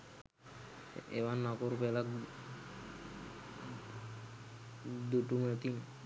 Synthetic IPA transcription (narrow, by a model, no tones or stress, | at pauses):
eʋanːakoɾupelak | d̪uʈumət̪in